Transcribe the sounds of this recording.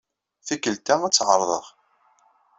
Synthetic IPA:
θikːəlt̪ææt͡sːʕəɾˤðˤəʁ

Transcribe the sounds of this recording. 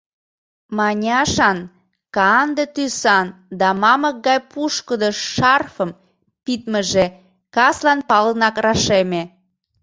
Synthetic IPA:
mɑnʲɑʃɑn | kɑnd̪et̪ysɑnd̪ɑmɑmək̚ɡɑjpʰuʃkəd̪əʃɑrfəm | pit̪məʒe | kɑslɑnpɑlənɑkrɑʃeme

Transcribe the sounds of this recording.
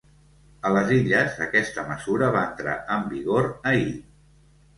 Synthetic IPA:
ələziʎəzəkɛst̪əməzuɾəβaənt̪ɾa̰əmbiɣoɾəi

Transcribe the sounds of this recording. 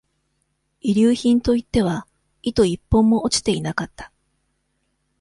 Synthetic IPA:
iɾʲɨːçĩnt̪o̞it̪ːe̞β̞a | it̪o̞ipːõ̞mːo̞ʔot͡ɕi̥t̪e̞inakat̪ːḁ

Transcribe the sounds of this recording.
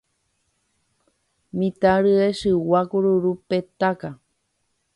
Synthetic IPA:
mĩt̪aɾɨeʃɨwakuɾuɾupet̪aka

